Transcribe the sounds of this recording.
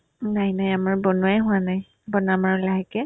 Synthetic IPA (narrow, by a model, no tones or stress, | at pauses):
najnajamaɹbɔnuajɦʊ̃anaj | bɔnamaɹlaɦɛkɛ